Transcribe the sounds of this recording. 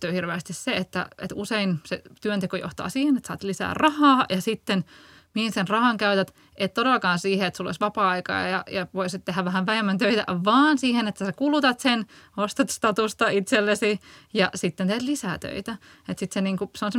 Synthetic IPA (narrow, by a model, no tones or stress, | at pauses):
yːhirʋeːst̪isseet̪ːæ̰ḛt̪useinsḛt̪yønt̪ekojo̰ht̪ɑ̰ːsiːhenet̪sɑ̰ːt̪lisæ̰ːrrɑhɑːjɑsit̪ːen | mihinsenrɑhɑŋkæyt̪æt̪ | ʔet̪t̪oɾelːɑkɑːnsiːheet̪sulːo̰sʋɑpɑːɑikɑ̰ːjɑjɑʋoisit̪t̪ehæʋʋæhæʋʋæhemːænt̪øit̪æ̰ʋɑːnsiːhenet̪ːæsekulut̪ɑt̪senost̪ɑt̪st̪ɑt̪ust̪ɑit̪selːesijɑsit̪ːent̪eːt̪lisæːt̪ø̰it̪æet̪sit̪seniːŋkuseonsem